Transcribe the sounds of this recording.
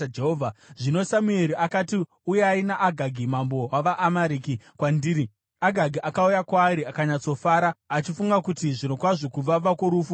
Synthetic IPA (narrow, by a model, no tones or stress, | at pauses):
d͡ʒeɦoːvʱaʐino̞samueɾiakati | ujeainaʔːɡʱaɡʱimambo̞waʋaʔːmaɾikikwandiːɾi | aɡʱaɡʱiʔakaujakwaːɾiakaɲat͡so̞faːɾaːt͡ʃifuŋɡakutiʐino̞kwaʐokub͡vaʋakoɾuːfu